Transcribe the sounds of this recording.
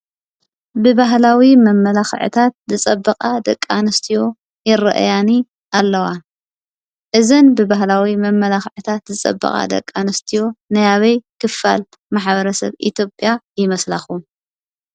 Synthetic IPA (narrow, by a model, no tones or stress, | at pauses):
bɨβaɦlawimɐmːɐlaxʕɨ̰t̪ʰat̪̚zɨt͡sʼɐbːɐqʼad̪ɐkʼːanɨst̪ʰijo̞ | jɪɾɨ̰ʔɨ̰jani | ʔalːɐwa | ʔɨzɐnbɨbahlawimɐmːɐlaxʕɨt̪ʰat̪zɨt͡sʼɐ̰bːɐ̰χʼa̰d̪ɐ̰kʼːanɐst̪ʰijo̞nɐjaβɐjkʰɨfa̰l | maħbɐɾɐsɐ̰βḭt̪jo̞pʼjajɪmɐslaxu